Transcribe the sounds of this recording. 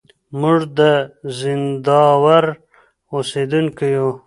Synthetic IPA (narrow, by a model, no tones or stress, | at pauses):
muʐd̪əzɪnd̪ɑwaɾ | osed̪uŋkiju